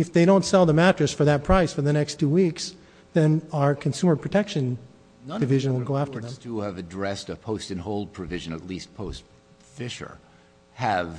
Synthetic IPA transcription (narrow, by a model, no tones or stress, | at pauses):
ɨfðeɪɾõʊ̃ntsɛlˠðəmæt͡ʃɹ̥ɨsfə˞ðɨt̚pʰɹ̥aɪsfə˞ðɨnɛkstʰuwiks | ðɨ̃nəə˞kʰɨ̃nsʉmə˞pʰɹ̥ɨtʰɛkʃɨ̃n | dɨvɪʒɨ̃nwɪl̩ˠɡoʊæftə˞ð̃mtuəvɨdɹɛstɨpʰoʊstɨ̃nɦoʊlˠd̚pʰɹ̥ɨvɪʒɨ̃nɨ̰tˡlist̚pʰoʊst | fɪʃə̰˞ | ɨv